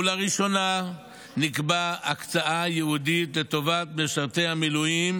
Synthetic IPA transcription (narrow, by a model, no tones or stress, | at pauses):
laʁiʃo̞na | nikbaakt͡saʔajeud̪it̪le̞t̪o̞vat̪̚beʃaʁt̪e̞jhamilujim